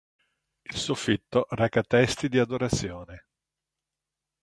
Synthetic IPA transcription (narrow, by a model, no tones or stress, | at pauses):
ilsofit̪ːorɛkat̪ɛst̪id̪iad̪oɾat̪sːjoːne